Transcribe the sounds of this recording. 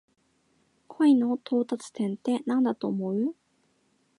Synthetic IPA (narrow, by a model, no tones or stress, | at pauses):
kʰoino̞t̪ʰo̞ːt̪at͡sɨ̥t̪ẽ̞nt̪e̞nãnd̪at̪o̞ːmo̞ɯ̟